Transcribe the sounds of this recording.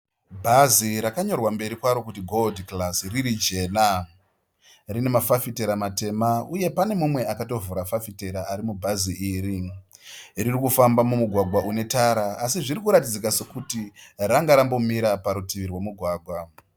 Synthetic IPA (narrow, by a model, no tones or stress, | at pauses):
bʱaziɾakaɲo̞rwambe̞ɾikwaɾo̞kutiɡʱo̞ldklasriɾid͡ʒe̞ːna | rine̞mafafite̞ɾamate̞mauje̞pane̞mumwe̞akato̞vuɾafafite̞ɾaːɾimubʱaziʔiːɾi | ririkufambamumuɡʱwaɡʱwaʔune̞taɾaːsiʐiɾikuɾatid͡zikase̞kutiraŋɡaɾambo̞miɾapaɾutiʋirwemuɡʱwaːɡʱwa